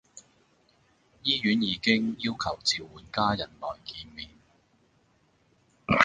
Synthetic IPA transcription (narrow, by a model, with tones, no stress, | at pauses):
jiː˥jyː˨˥njiː˨˧kɪ˥ŋjiː˥wkʰɐ˨˩wt͡siː˨wːuː˨˥nkaː˥jɐ˨˩nlɔː˨˩jkiː˧nmiː˨n